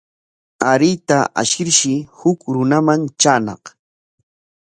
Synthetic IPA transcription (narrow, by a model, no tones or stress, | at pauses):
aɾɪt̪aʔa̰ʃɪɾʃɪhʊkɾʊnamant͡ʃaːnɑ̰χ